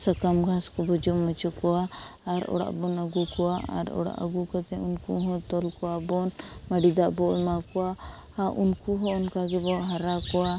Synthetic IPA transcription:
səkamɡʱaskɔbɔd͡ʒɔmɔt͡ʃɔkɔaaɾɔ̰ɽa̰ʔbɔnəɡukɔaa̰ɾɔ̰ɽa̰ʔə̰ɡukat̪ɛ̃unkuɦɔ̃t̪ɔlkɔwabɔnməɖid̪aʔbɔʔlmakɔa | aʔunkuɦɔ̃ɔnkaɡɛbɔʔɦɐɾakɔa

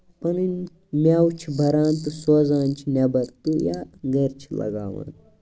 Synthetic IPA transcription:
pɐnin | mʲaːwt͡ʃʰibʱɐɾaːnt̪ɨsoːzaːnt͡ʃʰinɐbɐɾt̪ujaːɡɐɾt͡ʃʰilɐ̰ɡa̰ːʋa̰ːn

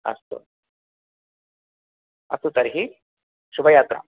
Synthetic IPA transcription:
ɐ̰st̪o̰ | ɐ̰sut̪ɐɾɦi | ʃubʱɐjaːt̪ɾa̰

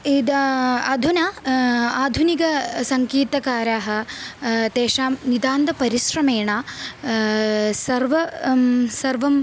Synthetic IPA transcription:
id̪ɐɐd̪ʱuna | aːd̪ʱunikɐsɐŋkiːt̪ɐkaːɾaːɦɐ̆ | t̪eːʂaːmnid̪aːnd̪ɐpɐɾiʃɾɐmeːɳaː | sɐɾʋɐ | sɐɾʋɐm

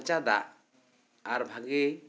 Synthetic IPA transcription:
t͡ʃad̪a̰ʔ | aɾbʱaɡɛ

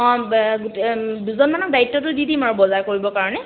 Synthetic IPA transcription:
ɔ̃ɡuteduzɔnmanɔk̚daɹitːɔtʊdidimaɹubɔzaɹkoɹibɔkaɹɔnɛ

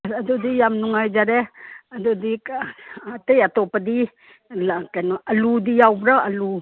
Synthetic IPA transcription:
adudijamnuŋajd͡ʒaɾeadudikatejatopadi | lkanʔɐludijawbɾaalu

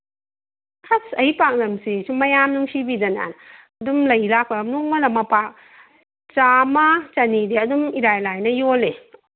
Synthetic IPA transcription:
hasɐipak̚nɐmsisumɐjamnuŋsibidɐna̰n | ɐdumlɐjlak̚pamnuŋmɐlɐmɐpak̚ | t͡ʃamat͡ʃanideɐdumiɾajlajnɐjole

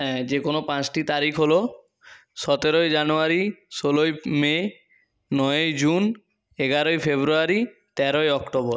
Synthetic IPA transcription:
ɦɛ̃d͡ʒekonopãt͡ʃʈit̪aɾikʰɦolo | sɔt̪eɾojd͡ʒanoaɾisolojme | nɔeojd͡ʒun | eɡaɾojpʰebɾuaɾit̪ɛɾojɔkʈobɔɾ

